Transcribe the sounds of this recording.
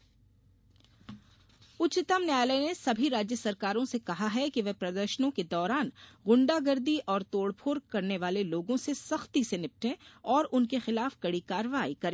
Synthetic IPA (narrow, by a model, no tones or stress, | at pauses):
ʊtt͡ʃːɪt̪əmnjaːlənesɐbʱiɾaːd͡ʒjəsɐɾkaːɾõsekɐɦaɦɛkiʋɛpɾɐd̪əɾʃənõked̪ɔːɾaːnɣʊ̃ɳɖaɡɐɾd̪iʔɔːɾt̪oːɽpʰoːɾkɐɾneʋaːleloːɡõsesɐxt̪isenɪp̚ʈʰẽɔːɾʊnkexɪlaːfɡ̥ɐɽikaːɾʋaːikɐɾẽː